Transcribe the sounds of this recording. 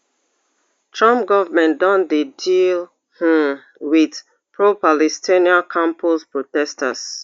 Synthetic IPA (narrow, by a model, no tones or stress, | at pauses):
tʰɹãmpɡɔvamɛ̃ndɔ̃ndedil | hũ | wið | pʰɹopalɛstʰiniãnkʰãmpulspɹotɛsta̰s